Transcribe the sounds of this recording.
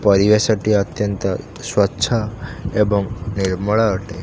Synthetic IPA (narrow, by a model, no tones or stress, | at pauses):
pəɾiʋesəʈiət̪jənt̪ə | swətːʃʰaebɔŋniɾmɔɭaʈe